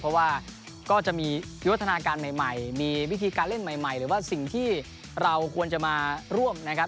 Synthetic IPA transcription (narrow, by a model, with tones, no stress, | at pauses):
pʰɔ˦˥waː˥˩ | kɔː˥˩t͡ɕa˨˩miː˧ | jt̪ʰːa˧naː˧kaː˧nma˨˩jma˨˩jmiː˧wi˦˥t̪ʰiː˧kaː˧nle˥˩nma˨˩jma˨˩jɾɯː˩˦waː˥˩si˨˩ŋt̪ʰiː˥˩ | ɾa˧wkʰu˧ənt͡ɕa˨˩maː˧ɾu˥˩əmna˦˥kʰa˦˥